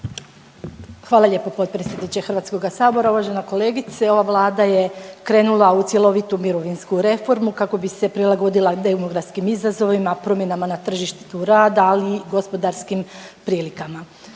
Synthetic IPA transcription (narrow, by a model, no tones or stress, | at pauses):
xʋaːlˠaʎe̞ːpopo̞t̪pɾetsʲjed̪nit͡ɕexɾr̩ʋat̪sko̞ɡasaːbo̞ɾaoʋaːʒe̞nako̞le̞ːɡit̪seo̞ʋaʋlˠaːd̪aje̞kɾe̞ːnulˠaut̪sje̞lˠo̞ʋit̪umiɾo̞ʋinskuɾe̞fo̞ɾmukako̞bise̞pɾilˠaɡo̞d̪ilˠad̪emoɡɾat̪skimizazo̞ʋimapɾo̞mjenamanat̪r̩ʒiʃt̪i̥t̪uɾaːd̪aliɡo̞spo̞d̪aɾskimpɾiːlikama